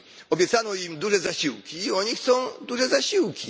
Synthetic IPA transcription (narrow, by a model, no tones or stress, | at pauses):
ɔbʲjɛt̪sanɔimd̪uʐɛzaɕiwkʲiːɔɲixt̪sɔ̃w̃d̪uʐɛzaɕiwkʲi